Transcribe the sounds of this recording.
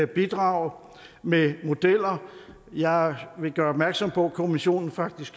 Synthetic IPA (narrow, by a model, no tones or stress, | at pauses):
æb̥id̥ʁɑ̈ʊ | memo̝d̥el̰ɐ | jɑ̈ɪʋe̝ɡ̥ɶːɐɒ̽b̥mæɐɡ̥sɒ̽mpʰɒ̽kʰo̝miɕo̝̰ːnn̩fɑ̈ɡ̥̚d̥isɡ̥